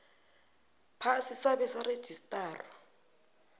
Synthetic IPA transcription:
pʰasisaβɛsaɾed̥ʒ̥ʱistʼaːrɔ

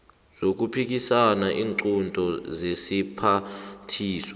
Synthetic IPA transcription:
z̥ok̬upʰik̬ʼisanaʔiːŋǀuntʼɔzesipʰatʰiːsɔ

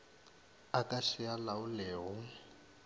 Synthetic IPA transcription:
akaʃialauleːɦu

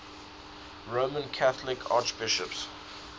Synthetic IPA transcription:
ɹoːmə̃nkʰaθlɪkʰa̰t͡ʃbɪʃəps

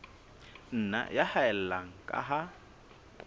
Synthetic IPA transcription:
n̩na̰jahaɛl̩laŋ̩kʼa̰ɦa

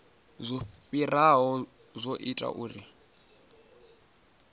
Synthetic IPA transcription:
zʷɔɸiraɦɔ | zʷoʔitʼa̰ʔuːri

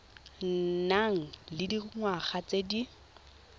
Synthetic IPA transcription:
naŋ̩lɪdiŋwaχat͡sedi

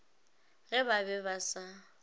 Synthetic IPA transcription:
ɣɛbabɛbasa

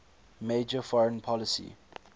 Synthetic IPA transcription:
meːd͡ʒəfɔɹə̃npʰɔlɪsḭ

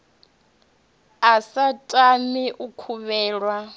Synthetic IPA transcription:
asatʼamiʔukʰuβɛːɺwa

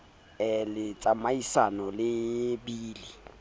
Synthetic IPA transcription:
ɛlɪt͡sʼamaisanɔlɪbiːli

